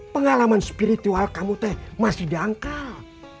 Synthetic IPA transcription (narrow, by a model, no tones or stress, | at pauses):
pəŋalamanspiɾit̪ualkamut̪ɛhmasɪhdiaŋkal